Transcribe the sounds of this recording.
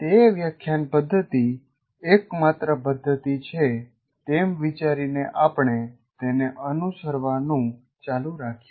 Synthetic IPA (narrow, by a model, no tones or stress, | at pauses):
t̪eʋjəkʰːjanpəd̪ʱːət̪iː | kmat̪ɾəpəd̪ʱːət̪it͡ʃʰe | t̪emʋit͡ʃaɾineʔapɳe | t̪eneʔənusəɾʋanũ | t͡ʃaluɾakʰ